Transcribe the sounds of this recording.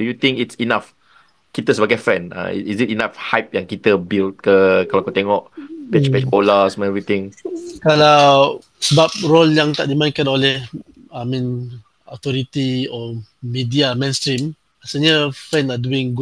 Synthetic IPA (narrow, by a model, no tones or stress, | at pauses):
dujut̪ĩŋkitsinaf | kit̪əs̬wəɡɛtfɛ̃na̰isitinafhajp̚jãŋkit̪əbilt̚kəkalakot̪ɛŋɔʔpɛt͡ʃpɛt͡ʃbolasmɛ̃ɛvɹit̪ɪ̃ŋkalaw | səbap̚ɹoljãŋt̪aʔ̚dimãɪ̃nkanolɛh | amĩn | ɔt̪ɔɾit̪iɔmidiamẽnst̪ɾim | asəɲafɛ̃naduĩŋɡu